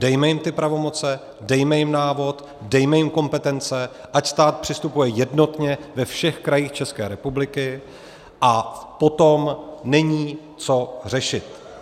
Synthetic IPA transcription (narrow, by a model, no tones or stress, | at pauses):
d̥ɛjmɛjɪmt̪ɪpɾavo̞mo̞t͡sɛ | dɛjmɛjɪmnaːvo̞t̪ | dɛjmɛjɪmko̞mpɛt̪ɛnt͡sɛ | ʔacst̪aːt̪̚pr̥ɪst̪upujɛjɛdno̞t̪ɲɛvɛfʃɛxkɾajiːxt͡ʃɛskɛːɾɛpublɪkɪ | ʔapo̞t̪o̞mnɛɲiː | t͡so̞r̝ɛʃɪt̪